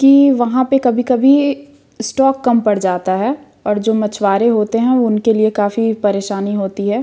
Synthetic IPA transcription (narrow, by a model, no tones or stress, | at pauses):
kiʋɐɦãpekɐbʱikɐbʱi | sʈɔːkːɐmpɐɽd͡ʒaːt̪aɦɛː | ɔːɾd͡ʒoːmɐt͡ʃʰʋaːɾeɦoːt̪eɦɛ̃ʊnkeliekaːfipɐɾeːʃaːniɦoːt̪iɦɛː